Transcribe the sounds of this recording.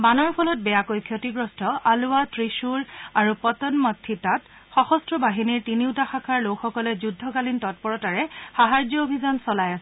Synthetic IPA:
banɔɹpʰɔlɔt̚bɛjakojkʰjɔtiɡɹɔstʰɔʔalʊwatɹiʃuɹaɹupɔtɔnmɔtʰːitat | xɔxɔstɹɔbaɦiniɹtiniʊtaxakʰaɹlokxɔkɔlɛzudʱːɔkalintɔt̚pɔɹɔtaɹɛxaɦaɹzjɔobʱizansɔlajasɛ

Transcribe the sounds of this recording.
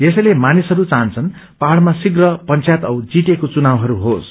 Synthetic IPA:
esʌjlemanisɦʌɾut͡saɦnt͡sʰʌn | paɦaɽmasiɡrʌpʌnt͡sʰjat̪ʌwd͡ziʈekot͡sunawɦʌɾuɦos

